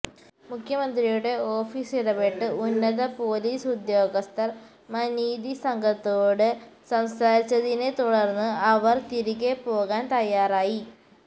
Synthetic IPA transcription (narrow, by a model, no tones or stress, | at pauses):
mukʰjɐmɐnd̪rijuɽe̞o̞ːfiːsiɽɐbeʈːɨunːɐðɐpo̞ːliːsud̪jo̞ːɡɐst̪ɐr | mɐniːd̪isɐŋɡʱɐt̪ːo̞ːɽɨsɐmsaːɾit͡ɕːɐðinet̪uɽɐrnːɨɐʋɐrt̪iɾiɣepo̞ːɣaːnt̪ɐjːaːraːji